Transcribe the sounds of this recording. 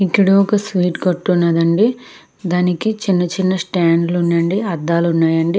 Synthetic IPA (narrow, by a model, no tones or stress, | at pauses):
ikːɐɽuɔkɐsʋiːʈkɐʈːunːɐd̪ɐɳɖi | d̪aːnikit͡ʃinːɐt͡ʃinːɐsʈaːɳɖlunːɐɳɖiɐd̪ːaːlunːaːjɐɳɖi